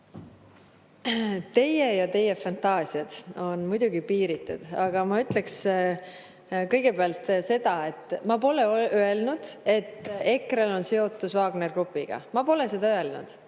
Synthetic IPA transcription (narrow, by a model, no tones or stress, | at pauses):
t̪e̞jejɑt̪e̞jːe̞fɑnt̪ˑɑːsiɑd̪̥o̞nmujd̪̥uɡipiːɾit̪ːˑṵd̪̥ɑɡ̥ɑmɑyt̪ˑle̞ks | kɤ̞jɡ̥e̞peɑlt̪se̞d̪̥ɑe̞t̪ˑːmɑpo̞le̞ʔøe̞lnud̪̥e̞t̪ːˑe̞krelo̞nse̞o̞t̪ːˑusvɑːɡ̥ne̞rɡ̥rupːˑiɡ̥ɑ̰mɑpo̞le̞se̞d̪̥ɑøe̞lnṵd̪̥